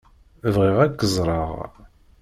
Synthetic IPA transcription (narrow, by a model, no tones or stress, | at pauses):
vʁiʁækːəzˤɾˤɑʁ